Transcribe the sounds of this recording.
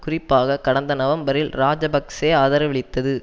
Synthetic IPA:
kʊrɪpːaːɣɐkɐɽɐnd̪ɐnɐʋɐmbɐɾɪlɾaːd͡ʒɐbɐkseːaːðɐɾɐʋɪɭɪt̪ːɐðɯ

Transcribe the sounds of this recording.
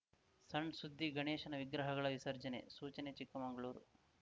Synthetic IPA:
sɐɳɖsud̪ʱːiɡɐɳeːʃɐnɐʋiɡɾɐɦɐɣɐɭɐʋisɐɾd͡ʒɐnḛsuːt͡ʃɐnet͡ʃikːɐmɐŋɡɐɭuːɾṵ

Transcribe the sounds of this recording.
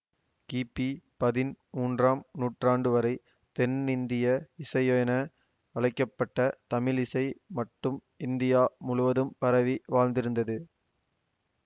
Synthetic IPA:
kiːpːipɐðɪnmuːndraːmnuːʈraːɳɖɯʋɐɾɐɪ | t̪ɛnɪnd̪ɪjɐɪsɐjoːjɐnɐ | ɐɭɐɪkːɐpːɐʈːɐt̪ɐmɪlɪsɐɪmɐʈːɯm | ɪnd̪ɪjaːmʊɻʊʋɐðɯmpɐɾɐʋiʋaːlnd̪ɪɾɯnd̪ɐðɯ

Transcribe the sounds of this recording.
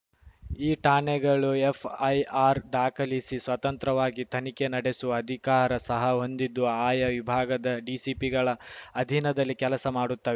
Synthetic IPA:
iːʈaːnɛɡɐɭuepʰɐjaːɾd̪aːkʰɐlisisʋɐt̪ɐnt̪ɾɐʋaːɡit̪ʰɐnikenɐɽe̞suɐd̪ʱikaːɾɐsɐɦɐɦo̞nd̪id̪ːuaːjɐʋibʱaːɡɐd̪ɐɖisipiɡɐɭɐːd̪ʱinɐd̪ɐlːikɛlɐsɐmaːɽut̪ːɐʋe

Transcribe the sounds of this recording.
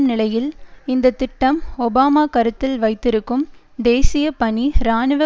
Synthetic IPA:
mnɪlɐjɪlɪnd̪ɐt̪ːɪʈːɐmɔbaːmaːkɐɾɯt̪ːɪlʋɐɪt̪ːɪɾɯkːɯm | d̪eːsɪjɐpɐɳiɾaːnɯʋɐ

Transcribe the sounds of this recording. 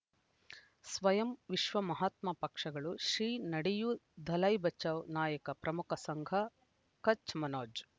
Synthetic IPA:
sʋɐjɐmʋiʃʋɐmɐɦaːt̪mɐpɐkʂɐɡɐɭuʃɾiːnɐɽijud̪ʱɐlɐjbɐt͡ʃːɐʋnaːjɐkɐpɾɐmukɐsɐŋɡʱɐ | kɐt͡ʃmɐnoːd͡ʒ

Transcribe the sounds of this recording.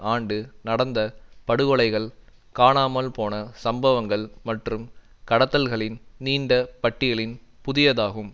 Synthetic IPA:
aːɳɖɯnɐɽɐnd̪ɐpɐɽɯɣɔɭɐɪɣɐɭkaːɳaːmɐlpoːnɐsɐmbɐʋɐŋɡɐɭmɐʈrɯm | kɐɽɐt̪ːɐlɣɐɭɪnniːɳɖɐpɐʈːɪjɐɭɪnpʊðɪjɐðaːɣɯm

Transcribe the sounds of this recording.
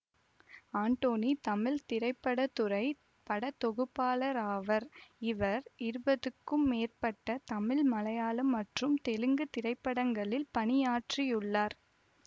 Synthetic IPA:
aːɳʈoːnit̪ɐmɪlt̪ɪɾɐɪpːɐɽɐt̪ːɯrɐɪ | pɐɽɐt̪ːɔɣɯpːaːlɐɾaːʋɐɾɪʋɐɾɪɾɯbɐðɯkːɯmːeːrpɐʈːɐt̪ɐmɪlmɐlɐjaːlɐmːɐʈrɯmt̪ɛlɯŋɡɯt̪ɪɾɐɪpːɐɽɐŋɡɐɭɪlpɐnɪjaːʈrijʊɭːaːɾ

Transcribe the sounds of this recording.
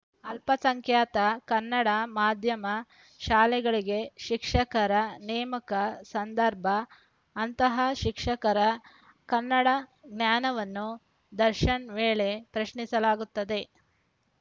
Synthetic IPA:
ɐlpɐsɐŋkʰjaːt̪ɐkɐnːɐɽɐmaːd̪ʱjɐmɐ | ʃaːlɛɡɐɭiɡe̞ʃikʂɐkɐɾɐnɛːmɐkɐsɐnd̪ɐɾbʱɐː | nt̪ɐɦɐʃikʂɐkɐɾɐ | kɐnːɐɽɐɡnjaːnɐʋɐnːu | d̪ɐɾʃɐnʋeːɭe̞pɾɐʃɳisɐlaːɡut̪ːɐd̪e̞

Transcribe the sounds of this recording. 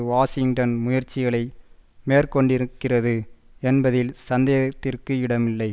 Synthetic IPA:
ʋaːsɪŋɡʈɐnmʊjɐɾt͡ʃːɪɣɐɭɐɪmeːrkɔɳɖɪɾɯkːɪrɐðɯɛnbɐðɪlsɐnd̪ɐjɐɐt̪ːɪrkɯɪɽɐmɪlːɐɪ

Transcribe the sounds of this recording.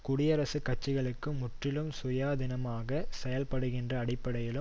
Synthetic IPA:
kʊɽɪjɐɾɐsɯkːɐt͡ʃːɪɣɐɭɯkːɯmːʊʈrɪlɯmsʊjaːðɪnɐmaːɣɐsɛjɐlpɐɽɯɣɪndrɐːɽɪpːɐɽɐjɪlɯm

